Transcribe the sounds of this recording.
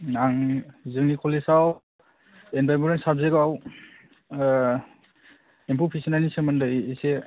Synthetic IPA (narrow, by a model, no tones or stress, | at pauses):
aŋzɯŋnikʰɔlesaw | enbajbuɾensabzeɡaw | empʰupʰisinanisemandɯise